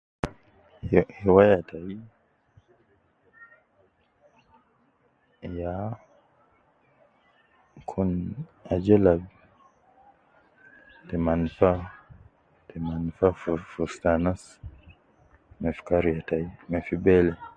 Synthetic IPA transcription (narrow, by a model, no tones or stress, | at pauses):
hiwajatʰai | ja | kʰunad͡ʒɛlab | tɛmanfa | tɛmanfaffustanas | mɛfkaɾijataimɛfibɛlɛ